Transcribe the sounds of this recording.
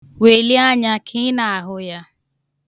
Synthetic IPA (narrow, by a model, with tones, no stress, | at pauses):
we˨li˦a˦ɲa˦kʰi˦na˨a˨ɦʊ˦ja˦